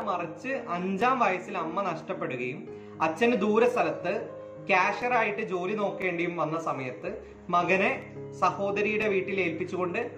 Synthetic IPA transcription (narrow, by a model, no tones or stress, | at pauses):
mɐrɐt͡ɕːɨʔɐɲd͡ʑaːmʋɐjɐsilɐmːɐnɐʂʈɐpːe̞ɽuɣɐjum | ɐt͡ɕːɐnɨd̪uːɾɐst̪ʰɐlɐt̪ːɨ | kaːʂɐraːjiʈːɨd͡ʑo̞ːlino̞ːkːe̞ːɳɖɐjumʋɐnːɐsɐmɐjɐt̪ːɨ | mɐɣɐne̞ | sɐho̞ːd̪ɐɾijuɽe̞ʋiːʈːile̞ːlpit͡ɕːuɣo̞ɳɖɨ